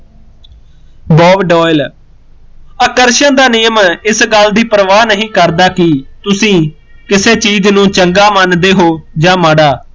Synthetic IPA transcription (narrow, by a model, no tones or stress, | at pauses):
bɔːʋɖɔːɪl | əkəɾʃə̃nd̪aːnɪjəmɪsɡəld̪iːpɾəʋaːnəɦĩːkəɾd̪aːkɪt̪ʊsĩː | kɪseːt͡ʃiːd͡ʒnũːt͡ʃəŋɡaːmənd̪eːɦoːd͡ʒãːmaːɽaː